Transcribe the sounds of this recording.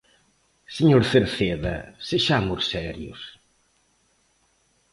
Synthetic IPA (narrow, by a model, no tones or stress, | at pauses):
seɲoɾθeɾseðɐ̰seʒamʊɾsɛɾjʊ̰s